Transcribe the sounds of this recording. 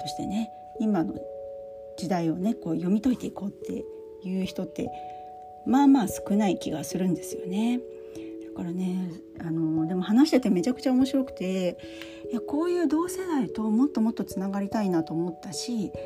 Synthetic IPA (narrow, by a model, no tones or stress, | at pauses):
t̪o̞ɕi̥t̪e̞̰ne̞ | imano̞̰ | d͡ʑid̪aio̞ne̞ko̞ːjo̞mʲit̪o̞it̪e̞iko̞ːt̪ːe̞̰ | jɯ̟ːçi̥t̪o̞t̪ːe̞̰ | maːmaːsɨ̥kɯ̟naikʲiɡasɨɾɯ̟̃nd̪e̞sɨjo̞̰ne̞ | d̪̥akaɾane̞ | ano̞d̪e̞mo̞hanaɕi̥t̪et̪e̞me̞t͡ɕakɯ̟̥t͡ɕaomo̞ɕiɾo̞kɯ̟̥t̪e̞ | jako̞ːjɯ̟ːd̪o̞ːse̞d̪ait̪o̞mo̞t̪ːo̞mo̞t̪ːo̞t͡sɨnaɡaɾʲit̪ainat̪o̞ːmo̞t̪ːaɕi